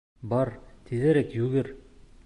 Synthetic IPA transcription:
bɑɾt̪ʰizæɾækjʉɡɘɾ

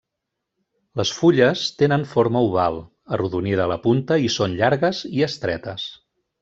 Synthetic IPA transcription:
ləsfuʎəst̪enənfoɾməuβ̞alˠ | əruðunið̞əːləpunt̪əisonʎaɾɣəziəst̪ɾɛt̪əs

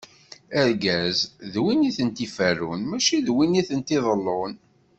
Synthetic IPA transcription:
æɾɡæzðwiniθənt̪ifærːunmæʃiðwiniθənt̪iðˤəlːon

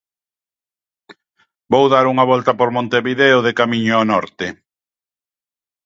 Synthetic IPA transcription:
bowðaɾuŋɐβɔlt̪ɐpoɾmõnt̪eβiðeʊðekamiɲʊanɔɾt̪ɪ

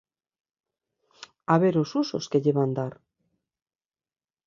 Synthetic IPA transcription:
aβeɾosuso̰skeʎeβand̪aɾ

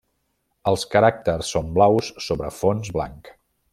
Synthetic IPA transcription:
əlˠskəɾak̚t̪ərsːomblawsːoβɾəfonzβla̰ŋk

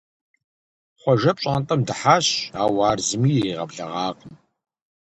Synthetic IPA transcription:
χʷɔʒɐpɕʼaːntʼɐmdɨħaːɕaːwaːrzɨmiːjeːʁɐbɮɐ̰ʁɑːqəm

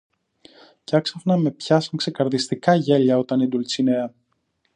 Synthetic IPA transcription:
cɐksɐfnɐme̞pçɐsɐŋkse̞kɐɾðist̪ikɐʝe̞ʎɐo̞t̪ɐnid̪ult͡sineɐ

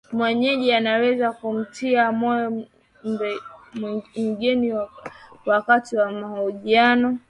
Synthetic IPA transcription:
mwɛɲɛʄianawɛzakum̩tʰiamɔjɔ | mbɛmŋɡiniwwakatiwamahɔʄianɔ

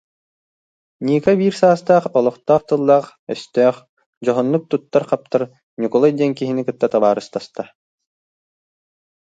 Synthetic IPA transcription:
ɲiːkɛbiːɾsaːst̪aːχɔlˠɔχt̪aːχt̪ɯlˠːaːχɛst̪œːχ | d͡ʑɔɦɔnːuk̚t̪ut̪ːaɾχap̚t̪aɾ | ɲʲukɔlˠad̪iɛnkiɦinikɯt̪ːat̪abaːɾɯst̪ast̪a

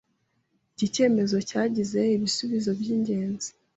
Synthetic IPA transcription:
ɟice̞ːme̞zo̞caːɟize̞iβisuβizo̞bjiːɲɟe̞ːnzi̥

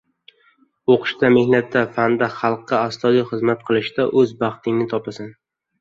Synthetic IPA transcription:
oqʰɨ̥ʃt̪ame̞hnat̪ːafand̪aχɑlˠqːɑːst̪ɒd̪ijχɨzmat̪̚qʰɨlˠɪʃd̪aʔɵzbɑχt̪ʰɪŋnɪt̪ʰɒpasan

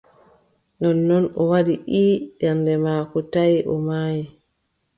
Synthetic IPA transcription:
nɔnːɔnɔwadiʔiːɗɛndɛmaːkɔtajiʔɔ̰maːji

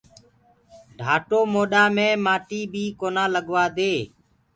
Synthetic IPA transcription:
ɖʱaːʈoːmoːɗaːmẽːmaːʈiːbʱiːkoːnãːləɠʋaːd̪eː

